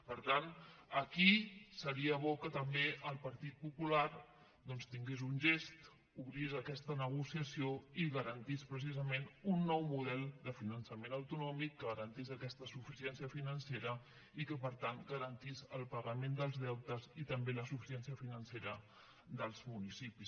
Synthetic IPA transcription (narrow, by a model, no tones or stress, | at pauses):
pəɾt̪anəkisəɾiəβ̞ɔkət̪əmbeʔəlˠpəɾt̪it̪̚pupulaɾ | d̪ɔnst̪iŋɡezunʲʒest̪ | uβɾizəkɛst̪ənəɣ̞usiəsioiɣəɾənt̪ispɾəs̬izəmenunːɔwmuðɛlˠd̪əfinənsəmenəwt̪unɔmikːəɣəɾənt̪izəkɛst̪əsufisiɛnsijəfinənseɾə | ikəpəɾt̪anɡəɾənt̪izəlˠpəɣəmend̪əlˠzðɛwt̪əzit̪əmbeləsufi̥siɛnsiəfinənseɾə | ðəlˠzmunisipis